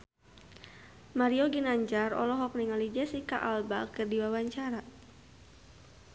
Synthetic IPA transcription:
maɾioɡinaɲd͡ʒarɔ̰lɔɦɔk̚niŋalid͡ʒɛsika̰ʔalbakərdiwawaɲt͡ʃaɾa

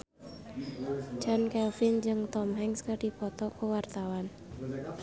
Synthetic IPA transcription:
d͡ʒɔnkɛlfɪnd͡ʒɨŋt̪ɔmɦɛŋskərɖ̥ipɔt̪ɔkowart̪awan

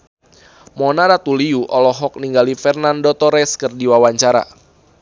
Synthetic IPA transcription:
mɔnaɾat̪uliuʔɔlɔɦɔk̚niŋɡalifɛrnandot̪ɔɾɛskərdiwawaɲt͡ʃaɾa̰

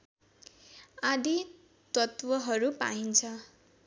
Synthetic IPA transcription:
ad̪i | t̪ʌt̪wʌɦʌɾupa̰ɦint͡sʰʌ

